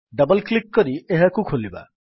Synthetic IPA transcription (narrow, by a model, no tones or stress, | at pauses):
ɖʌbɔlklikːɔɾiʔeɦakukʰoliba̰